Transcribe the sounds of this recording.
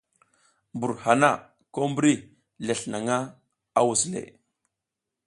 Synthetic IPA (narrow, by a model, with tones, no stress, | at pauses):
mbu˨ɾha˨na˦˨ | ko˦mbɾi˦ | le˨ɬna˨ŋa˦ | a˦wu˨slḛ˨